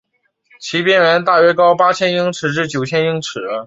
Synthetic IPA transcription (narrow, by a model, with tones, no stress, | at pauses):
t͡ɕʰi˧˥pjɛ˥˩nə˧˥nt̪a˥˩ɥɛ˥kɑ˥ʊpa˥t͡ɕʰjɛ˥ni˥ŋʈ͡ʂʰɻ̩˨˩ʈ͡ʂɻ̩˥˩t͡ɕjo˨˩ʊt͡ɕʰjɛ˥ni˧˥ŋʈ͡ʂʰɻ̩˨˩˦